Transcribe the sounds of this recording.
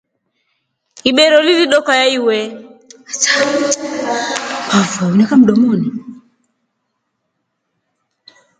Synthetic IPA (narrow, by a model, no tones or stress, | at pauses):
iɓɛɾɔliliɗɔkajaiwɛ | afaunɛkam̩ɗɔmɔni